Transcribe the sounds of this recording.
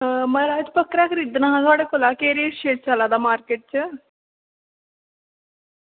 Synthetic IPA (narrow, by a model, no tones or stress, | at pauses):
məɾaːd͡ʒpəkːɾaːkʰəɾiːd̪naːɦãːt̪ʊwaːɽeːkoːlaːkeːɾeːʈʃeːʈ̚t͡ʃalaːd̪aːmaːɾkeːʈ̚t͡ʃə